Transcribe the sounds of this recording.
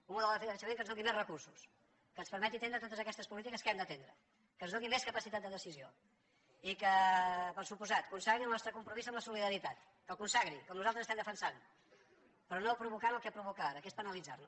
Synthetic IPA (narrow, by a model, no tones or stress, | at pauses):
unmuðlˠd̪əəfəʃəmẽŋkənzðuŋɡimezrəkursu̥s | kənspəɾmɛt̪it̪enɾət̪ot̪əzəkɛst̪əspulit̪̬ikəskɛmd̪ət̪end̪ɾə | kənzðuŋɡimeskəpəsit̪at̪̚d̪əðəsizio | ikəpəɾsupuzat̪kunsaɣɾiəlˠnɔst̪ɾəkumpɾumizəmləsuliðəɾit̪at̪ | kəlˠkunsaɣɾikɔmnuzalt̪ɾəzəst̪ɛmd̪əfənsan | pɾɔnopɾuβukaɾəlˠkɛpɾuβukaaɾəkespənəlid͡zarnu